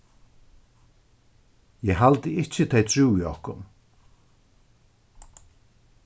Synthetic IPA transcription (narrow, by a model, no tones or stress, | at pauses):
jɛɦalt̪ɪɪht͡ɕɪt̪ʰeːjt̪ʰɾuːiɔhkʊn